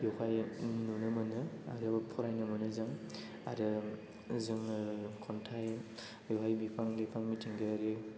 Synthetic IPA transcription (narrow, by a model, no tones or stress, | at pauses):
jɔkajnunɯmɯnɯa̰ɡɾabapʰɔɾajnɯmɯnɯzɯŋ | a̰ɾɯ | zɯŋkʰɔntʰaj | jɔɦajbipʰaŋlipʰaŋmitʰiŋɡɯɾɯ